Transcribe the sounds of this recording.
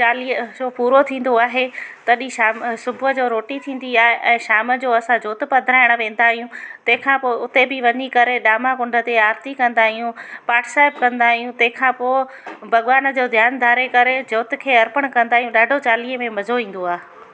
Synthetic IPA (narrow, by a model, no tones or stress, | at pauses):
t͡ɕaːliːəd͡ʑoːpuːɾot̪ʰĩːn̆d̪oaːɦet̪ɐɗĩʃaːmsʊbʱʊəd͡ʑoːɾoːʈit̪ʰĩːn̆d̪iaːɦeʔɛ̃ːʃaːmə̆d͡ʑoːɐsãd͡ʑoːt̪ɪpɐd̪ʱɾaːɪɽ̃̆ʋẽːn̆d̪aːɦijũt̪ɐ̃ɦɪ̃kʰãːpoːʊt̪ebɪʋɐɲikɐɾeɗaːmakʊ̃ɳɖʱət̪eaːɾt̪ikɐ̃nd̪aːɦijũpaːʈʰsaːɪb̚kɐ̃nd̪aːɦijũt̪ɐ̃ɦɪ̃kʰãːpoː | bʱɐɠʋaːnə̆d͡ʑoːd̪ʱjaːnd̪ʱaːɾekɐɾed͡ʑoːt̪ɪ̆kʰeːɐɾpəɽ̃kɐ̃nd̪aːɦijũɗaːɖʱot͡ɕaːliːəmẽmɐzʱoĩːn̆d̪oaːɦe